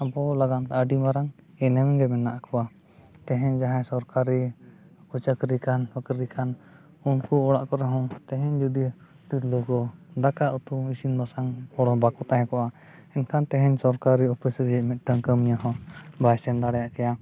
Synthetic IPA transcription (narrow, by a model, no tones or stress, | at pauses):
abɔlaɡant̪aʔəɖimaɾaŋ | ɛnɛmɛɡɛmɛnaʔakʰɔwa | t̪ɛɦɛɲd͡ʒaɦasɔɾkaɾi | kut͡ʃakɾikanbakɾikʰan | unkuɔɽaʔkɔɾaɦɔ̃t̪ɛɦɛɲd͡ʒud̪i | t̪uɾlɔɡɔd̪akaʔɔt̪uisinbasaŋɔɾɔbakɔt̪aɦɛkɔʔa | ɛnkʰant̪ɛɦɛɲsɔɾkaɾiɔpisɾimɛt̪̚ʈəŋkəmɲaɦɔ̃bajsɛnd̪aɽɛjaʔkɛja